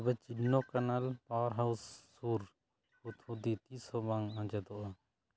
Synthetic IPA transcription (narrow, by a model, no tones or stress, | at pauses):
bɛt͡ʃiɖnɔkanalpawəɾɦawsː | uɾ | ut̪ʰud̪it̪isɔbãŋãd͡ʒɛd̪ɔʔa